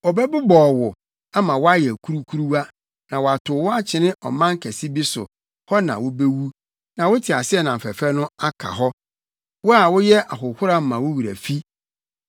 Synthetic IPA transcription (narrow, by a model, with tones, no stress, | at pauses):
ɔ˨bɛ˦bʊ˦bɔː˨wʊ˨ | a˦mã˨wʊ˦a˦jɛ˨kʰu˦ɾu˦kʰu˦ɾu˦wa˦ | nã˨wɔ˨a˨tʰʊ˨˦wʊ˦a˦t͡ɕʰɪ̃˨nɪ̃˦ʔɔ̰˨mã˦ŋ̩˦kʰæ˨si˦bi˦sʊ̰˨ | hɔ˦nã̰˨wʊ˦be˦wu˦ | nã˨wʊ˦tʰɪ˨a˨sɪ˦ɛ˦nã˨m̩˨fɛ˨fɛ˦nʊ̃˦a˦kʰa̰˨ɦɔ˦ | wʊ˦a˨wʊ˦jɛ˦ʔa˨ɦʊ˨hʊ˦ɾa˦m̩˦mã˨wʊ˦wi˨ɾæ̰˨fi˦